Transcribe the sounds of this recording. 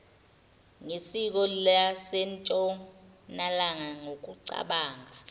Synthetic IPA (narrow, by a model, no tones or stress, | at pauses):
ŋisik̬ɔlasɛnt͡ʃʼɔnalaŋaŋok̬uǀa̰ɓaːŋa